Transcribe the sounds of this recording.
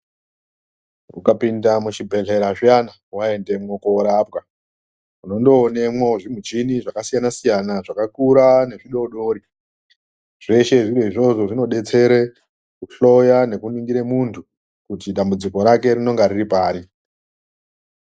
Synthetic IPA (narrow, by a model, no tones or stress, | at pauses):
ukapindamuʃibʱe̞ɮe̞ɾaʐijana | wae̞nde̞mwo̞koɾap̚ɣa | uno̞ndo̞ːne̞mwo̞ʐim̤ut͡ʃiniʐakasijanasijanaʐakakuɾane̞ʐiɗo̞ɗo̞ɾi | ʐ̥e̞ʃe̞ʐiɾeiʐo̞ʐo̞ʐino̞ɗe̞t͡se̞ɾe | kuɬo̞jane̞kuniŋɡiɾemuntʰu | kutiɗambud͡ziko̞ɾake̞rino̞ŋɡaɾiripaːɾi